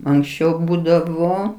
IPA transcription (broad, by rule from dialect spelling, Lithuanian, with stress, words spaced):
ɐŋksʲˈt͡ʃʲɛʊ ˈbuːdɐʋoː